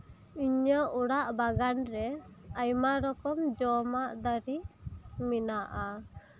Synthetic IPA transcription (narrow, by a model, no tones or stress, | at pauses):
iɲəʔuɽaʔbaɡanɾɛajmaɾɔkɔmd͡ʒɔmaʔd̪aɾiminaʔa